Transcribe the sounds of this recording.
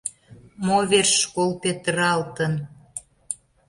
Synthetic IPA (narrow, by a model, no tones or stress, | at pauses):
moβerʃkolpet̪əɾɑlt̪ən